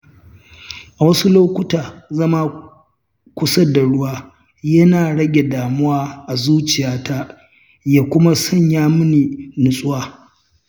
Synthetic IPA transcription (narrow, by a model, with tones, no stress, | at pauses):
ʔa˨wɐ˦su˦loː˦kʷʊ˦taː˨zɐ˦ma˦ | kʷʊ˦sɐ˦da˨ɽʊ˦waː˦ | jɐ˦naː˨ɽɐ˦ɡʲe˨daː˨mʊ˦waː˦ʔa˨zuː˦t͡ʃɪ˨jaː˦ta˦ | jaː˦kʷʊ˦ma˦sɐ˦ɲjaː˦mʊ˦ni˨nʊ˦˨sʼʊ˦waː˦